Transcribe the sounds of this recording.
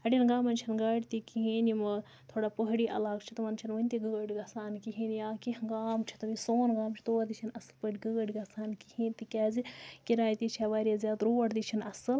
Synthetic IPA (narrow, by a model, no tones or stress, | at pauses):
ɐɖʲinɡaːmɐnt͡ʃʰinɡɐɽʲt̪ikiɦiːnimɨ | t̪ʰoːɽaːpəɦɽiːʔɐlaːkt͡ʃʰit̪ɨmɐnt͡ʃʰinʋɐnʲt̪iɡɨɡəɽiɡɐsaːnkiɦiːnjaːkiɡaːmt͡ʃʰi̥t̪ɨmisoːnɡaːmt͡ʃʰi̥t̪oːɾd̪it͡ʃʰinɐsɨlpəʈʲɡɨɡəɽʲiɡɐsaːnkihĩːnʲt̪ikʲaːzikiɾaːjt̪it͡ʃʰaʋaːɾʲijazʲjaːt̪ɾoːɐɽd̪it͡ʃʰinɐsɨl